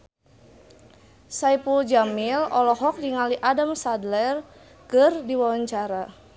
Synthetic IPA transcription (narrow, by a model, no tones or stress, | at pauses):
saipud͡ʒamilɔlɔɦɔk̚diŋaliʔadamsadlɛr | kərdiwaaɲt͡ʃaɾa